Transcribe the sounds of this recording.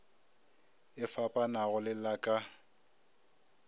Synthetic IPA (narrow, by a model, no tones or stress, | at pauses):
ɪfapʼanaɣʊlɪlakʼa